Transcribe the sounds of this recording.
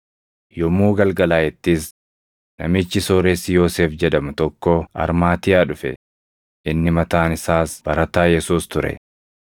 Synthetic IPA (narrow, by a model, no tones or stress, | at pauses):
jɔmuːɡɐlɡɐlaːjɛt̪ːis | nɐmɪt͡ʃːɪsoɾeːsːɪjo̞ːseːfd͡ʒɛd̪ɐmʊt̪ɔkːoɐ̰ɾmaːt̪ɪjaːᶑʊfɛ̰ | ʔɪnːɪmɐt̪aːnɪsaːsb̥ɐɾɐt̪aːjɛsuːst̪ʊɾɛ̰